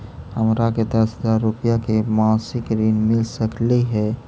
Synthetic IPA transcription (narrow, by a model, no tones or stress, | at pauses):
həmɾaked̪əsɦəzaɾːupijakemãːsɪkɾinmɪlsəkliɦɛ